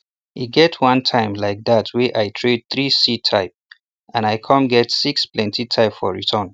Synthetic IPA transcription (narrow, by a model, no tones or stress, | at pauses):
iɡɛtʰwʌ̃ntʰãɪ̃mlaɪk̚ðatʰwɛʔaɪtʰɹed̚θɹisitʰaɪp̚ | ãnaɪkʰʌ̃mɡɛtsiksplɛ̃ntitʰaɪpfɔɹḭtʰə̃n